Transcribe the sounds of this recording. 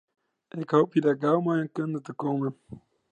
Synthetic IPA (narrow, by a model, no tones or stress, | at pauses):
ekaupidaɡawmajə̃ŋkəndətɨkomem